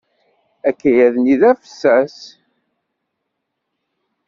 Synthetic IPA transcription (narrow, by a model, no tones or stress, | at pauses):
ækːæjæðniðæfə̥sːæs